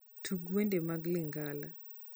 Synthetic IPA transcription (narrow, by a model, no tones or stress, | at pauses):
tʰuɡwendemaɡlɪŋɡala